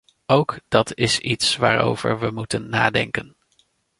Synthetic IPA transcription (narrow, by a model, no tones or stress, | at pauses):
owkd̥ɑtɪsitsʋa̰ːɹo̰wv̥ə̰ɹʋəmutənːaːdɛŋkən